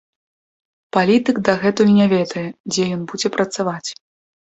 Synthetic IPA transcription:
palʲit̪ɨɡd̪ɐɣɛt̪ujunʲavʲɛd̪ɐjɛd͡zʲɛjɔnbud͡zʲɛpɾɐt̪savat͡sʲ

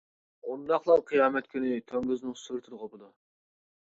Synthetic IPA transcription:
und̪ɑχlˠɑɾqʰɨjɑːmɛt̪kʲʰynɪt̪ʰøŋɡʲyznɪŋsyɾt̪ʰɪd̪ɨʁopɨd̪u

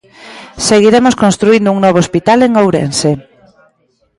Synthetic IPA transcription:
seɣiɾemoskõnst̪ɾuind̪ʊuŋnɔβ̞oospit̪aleŋowɾḛnse

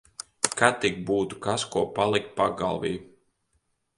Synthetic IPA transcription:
kat̪iɡ̚buːt̪ukaskuɔpalˠik̚paɡa̰lˠvḭː

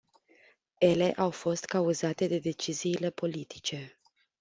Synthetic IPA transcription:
e̞le̞ʔawfo̞st̪kauzat̪e̞d̪e̞d̪e̞t͡ʃiziːle̞po̞lit̪i̥t͡ʃe̞

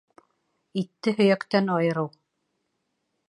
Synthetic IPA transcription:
it̪ːɘɦɵ̆jækt̪ænɑjɤ̆ɾɤw

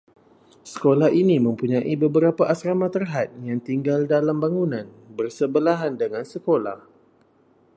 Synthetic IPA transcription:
sə̥kolahinimə̃mpuɲãʔibəbəɾapaʔasɾamat̪ərɦat̪̚jaŋt̪iŋɡaldalambaŋunãn | bərsəbəlaɦandəŋansəkola̰h

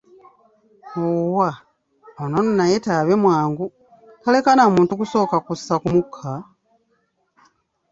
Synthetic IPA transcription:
owa | onononajetaβe̞mwaːŋɡu | kale̞kanamuːntukuso̞ːkakusːakumukʰːa

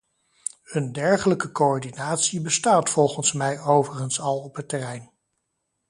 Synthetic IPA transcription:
ɵndɛɹχələkəkoɔɹdinaːtsibəstaːtfɔlˠχənsmɛjowvərənsɑlˠɔpɦətːɛrɛjn

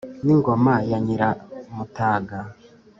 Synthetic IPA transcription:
niŋɡomajaɲiɾamutaːɡa

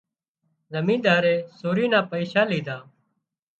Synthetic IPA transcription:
zəmĩːnd̪aːɾeːsoːɾiːnãːpəiːʃaːliːd̪aː

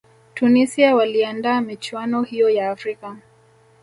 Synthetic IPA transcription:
tunisiawaliandaːmit͡ʃuanɔhijɔjaːfɾika

